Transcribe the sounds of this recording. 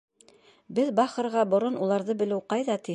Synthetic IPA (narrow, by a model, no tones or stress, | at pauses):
bɘðbɑχɤ̆ɾʁɑbŏɾonulˠɑɾðɤbɘ̆lɘwqɑjðɑt̪i